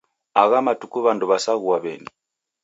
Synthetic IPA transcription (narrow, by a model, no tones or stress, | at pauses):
aɣamatukuβanduβasaɣuwaβɛ̰ni